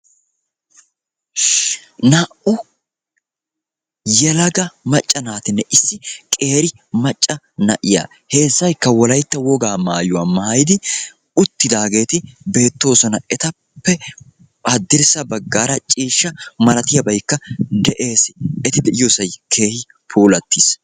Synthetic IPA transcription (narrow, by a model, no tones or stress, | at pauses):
naʔʊ | jɛlɐɡɐmɐt͡ʃʼːɐnaːt̪ɪnːɛʔɪsːɪkʼe̞ːɾɪ | mɐt͡ʃʼːɐ | nɐ̰ʔɪ̰ja̰ː | he̞ːzːɐjkːɐwɔlɐjt̪ːɐwɔɡaːmaːjʊwaːmaːjɪd̪ɪ | ʊt̪ːɪd̪aːɡe̞ːt̪ɪbe̞ːt̪ːo̞ːsɔnɐɛt̪ɐ | pːɛ | ɐd̪ːɪɾsɐbɐɡːaːɾɐt͡ʃʼiːʃːɐmɐlɐt̪ɪjɐbɐjkːɐd̪ɛʔe̞ːsɪɛt̪ɪd̪ɛʔɪjoːsɐjkʰe̞ːhɪ | pʰuːlɐt̪ːis